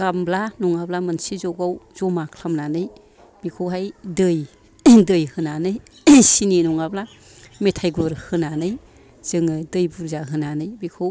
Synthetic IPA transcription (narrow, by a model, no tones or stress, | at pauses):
ɡamblanɔŋablamɯnsizɔɡawz̥ɔmakʰlamnanɯj | bikʰɯwɦajdɯj | dɯjhɯnanɯjsininɔŋabla | metʰajɡɔɾhɯnanɯj | z̥ɯŋɯdɯjbuɾzaɦɯnanɯjbikʰɯw